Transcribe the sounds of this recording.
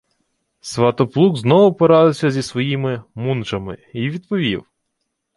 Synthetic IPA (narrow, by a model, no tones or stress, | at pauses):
sʋɑt̪ɔplˠuɡznɔʋʊpɔɾɑd̪ɪwsʲɐzʲisʋɔjimɪmunt͡ʃɐmɪ̰iʋʲid̪pɔʋʲiw